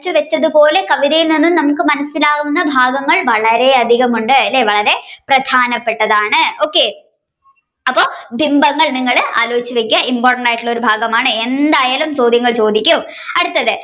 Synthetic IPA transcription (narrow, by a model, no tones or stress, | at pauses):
t͡ɕːɨʋet͡ɕːɐðupo̞ːle̞kɐʋiðɐjilninːumnɐmukːɨmɐnɐsːilaːɣunːɐbʱaːɡɐŋːɐɭʋɐɭɐɾe̞ɐd̪ʱiɣɐmuɳɖɨɐlːe̞ʋɐɭɐɾe̞prɐd̪ʱaːnɐpːe̞ʈːɐðaːɳɨo̞ːkːe̞ | ɐpːo̞ːbʱimbɐŋːɐɭniŋːɐɭa̰ːloːit͡ɕːɨʋekʲːɐʔimpoːrʈɐɳɖaːjʈːɨɭo̞ɾubʱaːɡɐmaːɳɨe̞nd̪aːjaːlumt͡ɕo̞ːd̪ʱjɐŋːɐɭt͡ɕo̞ːd̪ikʲːum | ɐɽut̪ːɐðɨ